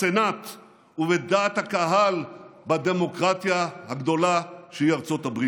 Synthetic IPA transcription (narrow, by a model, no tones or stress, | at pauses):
senat̪ | uved̪aːt̪hakaɦalbad̪e̞mo̞kʁat̪jahaɡd̪o̞laʃeiaʁt͡so̞t̪abʁi